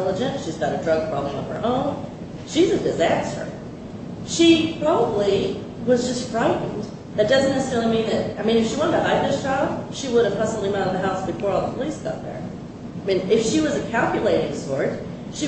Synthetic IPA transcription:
ɛlˠəd͡ʒɨ̃nʃizɡɑɾɨdɹʌɡ̚pʰɹ̥ɑbəbliʌ̰̃v̥ə˞ʔõʊ̃n | ʃizɨdɨzæstə̰˞ | ʃipʰɹ̥ɑbəbli | wʌzd͡ʒʌstfɹaɪʔn̩d | ðɨt̚d̥ʌzɨ̃nɨstɪl̃ˠmĩnðɨt̚aɪmĩnɨfʃiwɑ̃nətʰɨɦaɪd̪̚ðɪsd̥ʒ̥ɑb̥̚ʃiwʊɾɨv̥pʰʌsəbl̩ˠimãʊɾ̃̚ðɨɦaʊsb̥ɨfɔɹɔlˠðəpʰəlisɡ̥ɑ̰t̪̚ðə̰˞ | aɪmĩnɪfʃiwʌzɨkʰælˠkjɨleɪɾɪ̃ŋsɔɹt̚ | ʃi

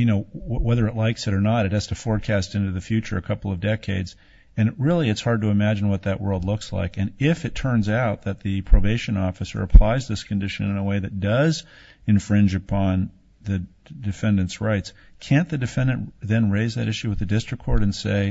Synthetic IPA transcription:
jɨnoʊwɛðə˞ɨtˡlaɪksɨɾə˞nəɾɨt̚hɨz̥tʰɨfɔɹkʰæstɪ̃ntʉðɨfjʉt͡ʃə̰˞ɨkʰʌpl̩ˠʌvdɛkʰeɪdz | ɨ̃nɹɪlˠiɨtshɑɹd̚tɨɨmæd͡ʒn̩wʌt̪̚ðɨʔwɜ̰˞lˠdˡlʊksla̰ɪkɨ̃nɪfɨtʰɜ̃˞nzaʊt̪̚ðɨt̪̚ðɨpʰɹ̥oʊveɪʃɨ̃nɔfɨsə̰˞ɨpʰl̥aɪzðɪskʰn̩dɪʃɨ̃nɨ̃nəweɪðɨt̚d̥ʌz | ɨ̃ɱfɹɪ̃nd͡ʒɨpʰɑ̃n | ðɨ | dɨfɛ̃ndɨ̃ntsɹaɪtskʰæ̃nðɨdɨfɛ̃ndɨ̃nʔðɨ̃nɹeɪzðɨ̰ɾʔɪʃʉwɨðɨdɪstɹ̥ɨkʰɔɹɾɨ̃nseɪ

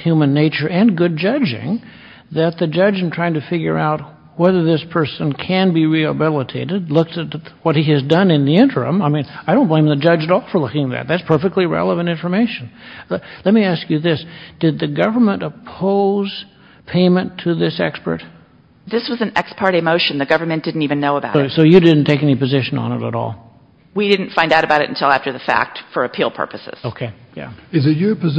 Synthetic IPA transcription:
hjʉmɨ̃nːeɪt͡ʃə˞ʔɨ̃nɡʊd̚d͡ʒʌd͡ʒɪ̰̃ŋ | ðɨt̪̚ðɨd͡ʒʌd͡ʒɨ̃n̩tʰɹ̥aɪɪ̃ŋtʰɨfɪɡjə̰˞aʊt̚ | wɛðə˞ðɪspʰɜ˞sɨ̃nkʰɨ̃nbiɹihəbɪlˠətʰeɪɾɨdlʊk̚sɨtwʌt̚hiɨzdʌ̃nɨ̃nðiɪ̃ntʰə˞ɨ̰̃maɪmĩnaɪɾõʊ̃nb̥əlẽɪ̃mðɨd͡ʒʌd͡ʒɨɾɔlˠfə˞lʊkɪ̃ŋðɨ̰t̪̚ðætspʰɜ˞fɨk̚tˡliɹɛ̰lˠəvɨ̃ntɪ̃nfə˞meɪʃɨn̩lɛt̚miæskjɨðɪsd̥ɨd̪̚ðɨɡʌvə˞mə̃ntəpʰoʊz̥ | pʰẽɪ̃mɨ̃ntʰɨðɪsɛkspə̰˞t̚ | ðɪswʌz̃n̩ɛkspʰɑɹɾɨmoʊʃɨ̃n̩ðɨɡʌvə˞mɨ̃nd̥ɪdⁿn̩tivɨ̃nːoʊəbaʊʊsoʊjɨdɪdⁿn̩tʰeɪkɛnipɨzɪʃɨ̃nə̰̃nə̰ɾə̰ɾɔ̰lˠ | widɪdⁿn̩tfãɪ̃ndaʊɾɨbaʊɾɨ̰ɾn̩tʰɪlˠæftə˞ðɨfæ̰k̚tfə˞ɨpʰilˠpʰɜ̰˞pɨsɪ̰z̥oʊkʰeɪ | jæ̰ɨzɨjəpɨz

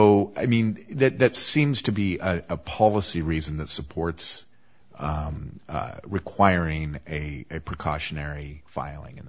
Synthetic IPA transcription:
oʊaɪmĩnðɨt̪̚ðɨtsĩmz̥tʰɨbiɨəpʰɑlˠəsiɹizɨ̃nðɨtsəpʰɔɹts | ɹɨkʰw̥aɪ˞ɪ̃ŋɨɨpʰɹ̥ɨkʰɑʃɨnɛɹifa̰ɪlˠɪ̰̃ŋɨ̰̃n

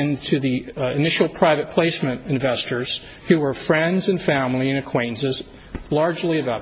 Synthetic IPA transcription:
ɨ̃ntʰɨðiɪnɪʃl̩ˠpʰɹ̥aɪvɨt̚pʰl̥eɪsmɨ̃ñɨ̃ɱvɛstə˞z̥ | hʉwə˞fɹɛ̃ndzɨ̃nfæ̃mlˠiɨ̃nɨkʰw̥ẽɪ̃nzɨz | lɑɹd͡ʒliɨvɛ

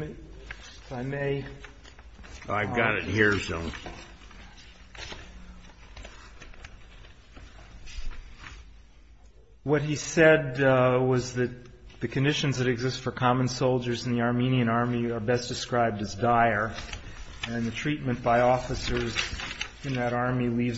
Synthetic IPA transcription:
aɪmeɪ | aɪvɡɑɾɨt̚hiɹsõʊ | wʌt̚hisɛd̚wʌzðɨt̪̚ðɨkʰɨ̃ndɪʃɨ̃nzðɨɾɨɡzɪstfə˞kʰɑmə̃nsoʊlˠd͡ʒə˞zn̩ðiɑɹmĩniɨ̃ñɑɹmiə˞bɛsd̥ɨskɹaɪb̚dɨzdaɪə˞ | ɨ̃nðɨtʰɹ̥it̚mɨ̃nb̥aɪɔfɨsə˞z | ɨ̃nðɨɾɑɹmiliv

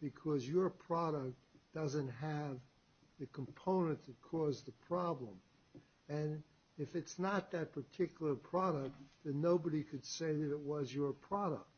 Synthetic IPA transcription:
b̥ɨkʰʌzjə˞pʰɹ̥ɑɾək̚td̥ʌzɨ̃ntɦɨv | ðɨkʰm̩pʰõʊ̃nɨ̃nðɨt̚kʰɔzðɨpʰɹ̥ɑblə̰̃m | ɨ̃n | ɪfɨtsnət̪̚ðɨt̚pʰə˞tʰɪkjl̩ˠə˞pʰɹ̥ɑɾək̚t̪̚ðɨ̃nːoʊbəɾikʰɨd̥seɪðɨɾɨt̚wʌzjə˞pʰɹ̥ɑɾə̰k̚t̚

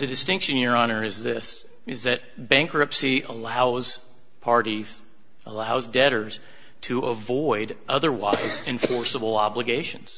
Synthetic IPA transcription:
ðɨdɨstɪ̃ŋkʃɨ̃njə˞ɑnə˞ɨzðɪs | ɨzðɨt̚ | b̥æ̃ŋkɹɨpsiəlaʊz̥ | pʰɑɹɾiz̥ | əlaʊzdɛɾə˞z̥ | tʰɨʔəvɔɪɾʔʌðə˞wa̰ɪzɨ̃ɱfɔɹsəbl̩ˠɑbləɡeɪʃɨ̃nz̥

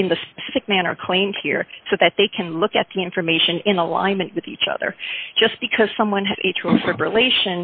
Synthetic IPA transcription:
ɨ̃nðɨspəsɪfɨk̚mæñə̰˞kʰl̥ẽɪ̃md̚hḭɹsoʊðɨt̪̚ðeɪkʰɨ̃nlʊkɨt̪̚ðiɪ̃ɱfə˞meɪʃɨ̃nɪ̃nəlã̰ɪ̃nmɨ̃nʔwɨðit͡ʃʌ̰ðə̰̥˞d͡ʒ̥ʌsb̥ɨkʰʌz̥sʌ̃mwʌ̃nɨzḛɪtʰɹəfɹəbɹəleɪʃɨ̃n

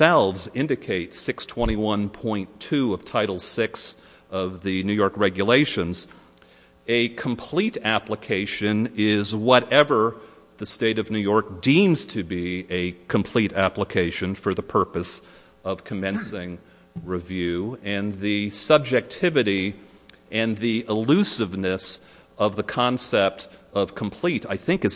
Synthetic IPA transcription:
ɛlˠvzɪ̃ndɨkʰeɪtsɪkstʰw̥ɛ̃ɾ̃iwʌ̃npʰɔ̃ɪ̃ntʰʉʌv̥tʰaɪɾl̩ˠsɪks | ʌvðɨnʉjɔɹkɹɛɡjɨleɪʃɨ̃nz | ɨkʰə̃m̩pʰl̥iɾæpləkʰeɪʃɨ̃nɪzwʌɾɛvə˞ | ðɨsteɪɾʌvnʉjɔɹk̚d̥ĩmz̥tʰɨbiɨkʰɨ̃mpʰl̥iɾæpləkʰeɪʃɨ̃nfə˞ðəpʰɜ˞pɨs | ʌv̥kʰɨmɛ̃nsɪ̃ŋ | ɹɨvjʉɨ̃nðɨsʌb̚d͡ʒɨk̚tʰɪvɨɾi | ɨ̃nðiɪlʉsɨvnɨs | ʌvðɨkʰɑ̃nsɛp̚tʌv̥kʰm̩pʰl̥iɾaɪθɪ̃ŋkɨs

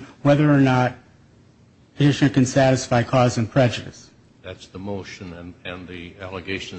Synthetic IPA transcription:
wɛðə˞ːnəɾ̚ | ɨd͡ʒɪʃnɨkɨ̃nsæɾɨsfaɪkʰɔzɨ̃npʰɹ̥ɛd͡ʒɨɾɨ̰s | ðætsðəmoʊʃɨ̃ñnɨ̃nðiælˠəɡeɪʃn

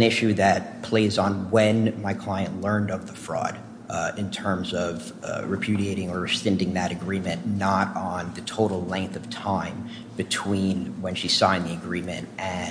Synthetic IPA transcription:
nɪʃʉðɨt̚pʰl̥eɪzn̩wɨ̃nmaɪkʰl̥aɪɨ̃nʔlɜ̃˞ndʌvðəfɹɔ̰ɾ | ɨ̃ntʰɜ̃˞mzʌv | ɹɨpʰj̥ʉɾieɪɾɪ̃ŋə˞stɛ̃ndɪ̃ŋðɨɾɨɡɹĩmɨ̃nːəɾn̩ðɨtʰoʊɾl̩ˠlɛ̃ŋk̚θʌv̥tʰãɪ̃m | bɨtʰw̥ĩnwɨ̃nʃisãɪ̃nðiɨɡɹĩmɨ̰̃nʔɨ̃

